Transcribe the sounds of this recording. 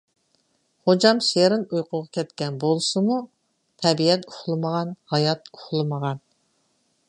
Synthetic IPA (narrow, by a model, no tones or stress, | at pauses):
χod͡ʒɑmʃeɾɪnujqʊʁɑkʲʰɛt̪kʲɛnbolˠsɨmu | t̪ʰɛbiɛt̪̚kʰʊ̥χlˠɨməʁɑnhɑjɑt̪̚ʰʊ̥χlˠɨməʁɑn